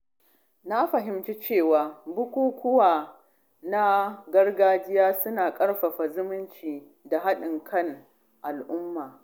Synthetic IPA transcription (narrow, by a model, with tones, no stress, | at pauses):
na˦ɸɐ˨ɦɪ˨mt͡ʃi˦t͡ʃeː˦˨waː˨bʊ˦kʷuː˦kʷʊ˦waː˨ | na˦ɡɐ˦rɡaː˦d͡ʒɪ˦jaː˦sʊ˦naː˨kʼɐ˦ɽɸa˨ɸa˨zʊ˦mʊ˦nt͡ʃiː˨ | da˨ɦa˦ɗɪ˨ŋkʰɐ˦ŋ | ʔa˨lʔʊ˦mːaː˨